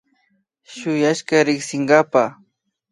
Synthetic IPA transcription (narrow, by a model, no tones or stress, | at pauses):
ʃʊjaʃkaɾɪksɪŋɡapa